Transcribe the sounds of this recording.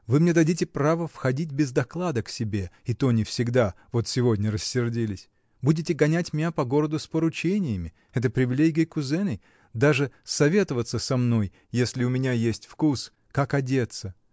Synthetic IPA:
vɨmnʲed̪ɐdʲitʲɪpɾavəfxɐdʲitʲbʲɪzd̪ɐklˠad̪əksʲɪbʲe̞it̪onʲɪfsʲɪɡd̪avo̞t̪sʲɪvo̞dʲnʲərəsʲːɪrdʲilʲɪsʲ | budʲɪtʲɪɡɐnʲætʲmʲɪnʲapɐɡo̞ɾəd̪ʊspəɾʊt͡ɕenʲɪjəmʲɪ | ɛt̪̬əpɾʲɪvʲɪlʲeɡʲɡʲɪjəkʊzɛnəj | d̪aʐɨsɐvʲe̞t̪əvət̪səsɐmno̞jːesʲlʲɪʊmʲɪnʲajesʲtʲfkus | kakɐdʲe̞t̪sə

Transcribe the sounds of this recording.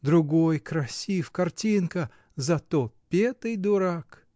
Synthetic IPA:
d̪ɾʊɡojkɾɐsʲifkɐrtʲinkə | zɐt̪opʲet̪ɨjd̪ʊɾak

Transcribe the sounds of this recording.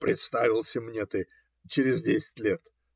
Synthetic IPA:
pɾʲɪt̪st̪avʲɪlˠsʲɪmnʲet̪ɨ | t͡ɕɪɾʲɪzʲdʲesʲɪ̥tʲlʲet̪

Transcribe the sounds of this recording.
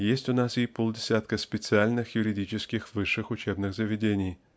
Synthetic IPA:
jesʲtʲʊnasɪpolˠdʲɪsʲat̪kəspʲɪt̪sɨalʲnɨxjʊɾʲɪdʲit͡ɕɪskʲɪxvɨʂːɨxʊt͡ɕebnɨxzəvʲɪdʲenʲɪj

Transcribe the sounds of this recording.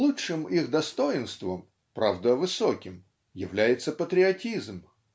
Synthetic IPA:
lˠuʂɨmixd̪ɐst̪o̞jɪnst̪vəm | pɾavd̪əvɨsokʲɪm | jɪvlʲæjɪt̪səpət̪ɾʲɪɐtʲizm

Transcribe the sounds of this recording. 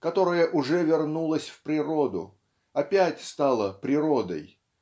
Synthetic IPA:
kɐt̪o̞ɾəjəʔʊʐɛvʲɪrnulˠəsʲfpɾʲɪɾo̞d̪ʊ̰ | ɐpʲætʲst̪ɑlˠəpɾʲɪɾo̞d̪ə̰j

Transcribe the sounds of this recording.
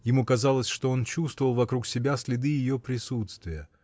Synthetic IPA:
jɪmukɐzɑlˠəsʲʂt̪o̞o̞nt͡ɕust̪vəvəlˠvɐkɾuksʲɪbʲasʲlʲɪd̪ɨjɪjopɾʲɪsut̪st̪vʲɪjə

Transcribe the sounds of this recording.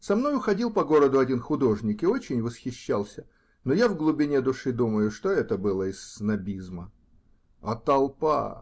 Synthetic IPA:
sɐmno̞jʊxɐdʲilˠpɐɡo̞ɾəd̪ʊɐdʲinxʊd̪o̞ʐnʲɪkɪo̞t͡ɕɪnʲvəsxʲɪɕːalˠsʲə | nojavɡlˠʊbʲɪnʲed̪ʊʂɨd̪uməjʊʂt̪oɛt̪əbɨlˠəɪsːnɐbʲizmə | ɐ̰t̪ɐlˠpa̰

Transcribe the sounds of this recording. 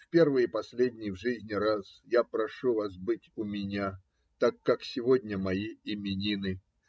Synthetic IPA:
fpʲe̞rvɨjəpɐsʲlʲedʲnʲɪjvʐɨzʲnʲɪɾasjapɾɐʂuvas̬bɨtʲʊmʲɪnʲa | t̪akːaksʲɪvo̞dʲnʲəmɐiɪmʲɪnʲinɨ

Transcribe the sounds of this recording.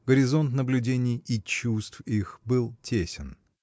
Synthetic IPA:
ɡəɾʲɪzo̞nt̪nəblʲʉdʲenʲɪjit͡ɕust̪fixbɨlˠtʲʰesʲɪn

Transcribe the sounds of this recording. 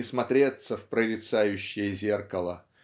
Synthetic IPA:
ɪsmɐt̪ɾʲet̪səfpɾəɾʲɪt̪sajʉɕːɪjəzʲe̞rkəlˠə

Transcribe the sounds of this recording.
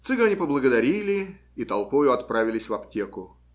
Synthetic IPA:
t̪sɨɡɐnʲipəblˠəɡəd̪ɐɾʲilʲɪ | it̪ɐlˠpojʊɐt̪pɾavʲɪlʲɪsʲvɐptʲe̞kʊ

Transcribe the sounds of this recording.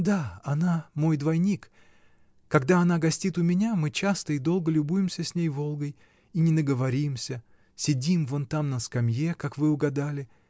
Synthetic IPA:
d̪aɐnamo̞jd̪vɐjnʲik | kːɐɡd̪aɐnaɡɐsʲtʲit̪ʊmʲɪnʲamɨt͡ɕast̪əɪd̪o̞lˠɡəlʲʊbujɪmsʲəsʲnʲejvo̞lˠɡəj | inʲɪnəɡəvɐɾʲimsʲə | sʲɪdʲimvo̞nt̪amnəskɐmjekakvɨʊɡɐd̪alʲɪ

